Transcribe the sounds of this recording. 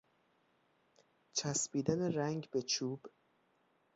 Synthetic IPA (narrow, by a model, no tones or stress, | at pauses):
t͡ʃʰæsbiːd̪æne̞ɾæŋɡbe̞t͡ʃʰuːb̥